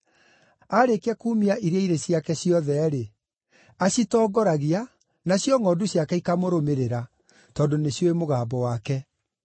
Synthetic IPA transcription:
aɾekeakuːmiaʔiɾeaiɾesjakɛsjɔðɛɾe | asitɔːɡɔɾaɣia | nasjɔŋɔːduɕjakɛikamoɾomeɾeɾa | tɔndoneɕjoemoɣaːbɔwakɛ

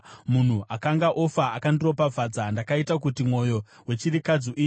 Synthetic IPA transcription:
mun̤uʔakaŋɡaʔofaakandiro̞pab͡vʱad͡zandakaitak̬utimwo̞jo̞ | we̞t͡ʃiɾikad͡zoʔiː

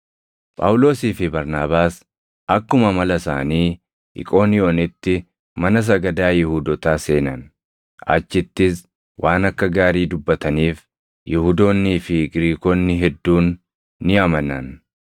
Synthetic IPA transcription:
pʼɐ̰wʊlo̞ːsiːfɪbɐɾnaːbaːs | ɐkːʊmɐmɐlɐsa̰ːniː | ʔɪ̰kʼo̞ːnɪjoːnɪt̪ːɪ | mɐnɐs̬ɐɡɐd̪aːjɪhʊd̪ɔt̪aːse̞ːnɐn | ɐ̰t͡ʃːɪt̪ːɪs | wʔaːnɐkːɐɡaːɾiːd̪ʊbːɐt̪ɐniːf | jɪhʊd̪o̞ːnːiːfɪɡɪɾiːkoːnːɪɦɛd̪ːuːnː | ɪɐmɐnːɐ̰n

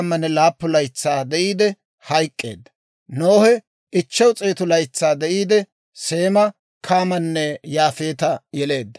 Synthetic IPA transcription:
mːɐnːɛlaːpːʊlɐjt͡sːaːd̪ɛʔiːd̪ɛ | hɐjkʼːe̞̰ːd̪ːɐ̥ | noːhɛ | ɪt͡ʃːɐwt͡sʼeːt̪ʊlɐjt͡sːaːd̪ɛʔiːd̪ɛ | se̞ːmɐ | kʰaːmɐnːɛjaːfe̞ːt̪ɐjɛle̞ːd̪ːɐ̥

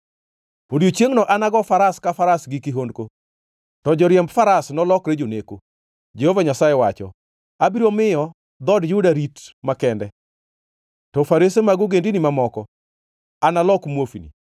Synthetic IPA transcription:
podijot͡ʃeŋnɔʔanaɡɔfaɾaskafaɾasɡikɪɦondko | tɔd͡ʒɔɾjɛmbfaɾasnɔlɔkɾed͡ʒoneko | d͡ʒehovaɲasajɛwat͡ʃɔ̰ | abiɾomɪjɔ | d̪ɔdjʊdaɾitmakɛndɛ | tɔfaɾesemaɡʊɡendinimamɔkɔ | analɔkmwofinḭ

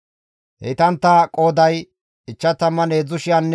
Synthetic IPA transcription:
hḛt̪ɐnt̪ːɐkʼo̞ːd̪ɐj | ɪt͡ʃːɐt̪ɐmːɐneːd͡zːʊʃɪjɐnː

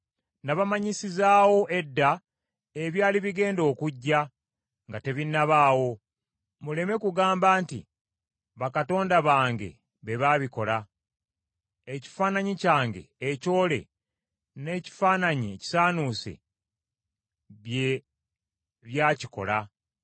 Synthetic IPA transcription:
naβamaɲisizaːwo̞ʔe̞dːa | eβjaːliβiɡe̞ːndo̞ːkuɟːa | ŋɡate̞βinːaβaːwo̞ | mule̞me̞kuɡaːmbaːntḭ | βakato̞ːndaβaːŋɡe̞̰ | βe̞βaβiko̞la | eci̥faːnaɲicaːŋɡe̞̰ːco̞ːle̞̰ | ne̞ːci̥faːnaɲieci̥saːnusḛ | βje | βjaːci̥ko̞̰la

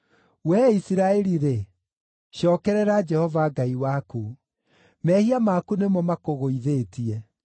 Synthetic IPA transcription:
wɛisiɾaɛɾiɾe | ʃɔːkɛɾɛɾad͡ʒɛhɔvaɡaiwaku | mɛhiamakunemɔmakoɣoiðeːtiɛ

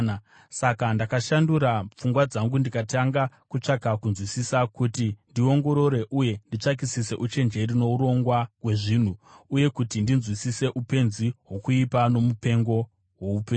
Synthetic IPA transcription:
sakandakaʃanduɾap͡fuŋɡwad͡zaŋɡundikataŋɡakut͡ʂaɡʱakunzwisisakutindio̞ŋɡo̞ɾo̞ɾe̞ʔuje̞ndit͡ʂak̬isise̞̰ʔut͡ʃe̞nd͡ʒe̞ɾino̞uɾo̞ŋɡwawe̞ʐin̤uuje̞kutindinzwisise̞ʔupe̞nziɦwo̞kuipano̞mupe̞ŋɡo̞ | wo̞upeːn

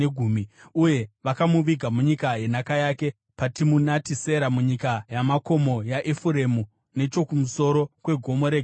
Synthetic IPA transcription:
eɡʱuːmiuje̞ʋakamuʋiɡʱamuɲikaje̞nakajaːke̞ | patimunatise̞ɾamuɲikajamako̞mo̞jaʔefuɾe̞mu | ne̞t͡ʃo̞kumuso̞ɾo̞kwe̞ɡʱo̞mo̞ɾeɡʱ

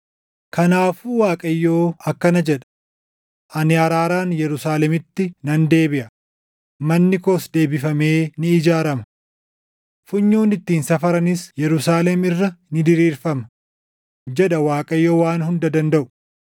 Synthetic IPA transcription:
kɐnaːfuːwaːkʼɐjːo̞ːɐkːɐnɐd͡ʒɛᶑɐ̥ | ʔɐnɪɐɾaːɾaːnjɛɾʊsaːlɛmɪt̪ːɪnɐnd̪e̞ːbɪʔɐ | mɐnːɪkosd̪e̞ːbɪfɐme̞ːnɪːd͡ʒaːɾɐmɐ | fʊɲːuːnɪt̪ːiːnsɐfɐɾɐnɪsjɛɾʊsaːlɛmɪrːɐnɪd̪ɪɾiːɾfɐmɐ | d͡ʒɛᶑɐwaːkʼɐjːo̞ːwaːnhʊnd̪ɐd̪ɐnd̪ɐʔʊ̥

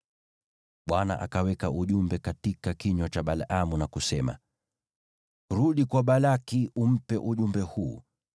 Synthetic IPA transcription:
ɓwana̰ʔa̰kawɛkaʔuʄumbɛkatikakiɲɔt͡ʃaɓalamunakusɛma̰ | ɾuɗikwaɓalakiʔum̩pɛʔuʄumbɛhuː

